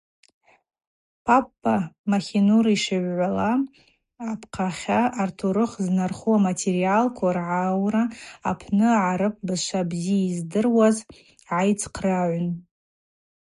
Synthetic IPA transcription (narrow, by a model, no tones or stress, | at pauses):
pʰapːamaχʲinuɾiʂaɥʷʕʷalaː | pʰqʰaχʲaʔːrtʰuɾɨχznarχuamatʰeɾialkʷʰarʕawraa̰pʰnɨʕaɾɨp̚ʰʼbɨzʃʷabzijaizdɨrwaz | ʕajt͡sʰqʰraʕʷʊn